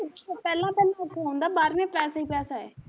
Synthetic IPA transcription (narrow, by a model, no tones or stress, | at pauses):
pɛːlãːpɛːlãʊt̪ʰːaːɦõːnd̪aːbaːɾmẽpɛːsaːiːpɛːsaːeː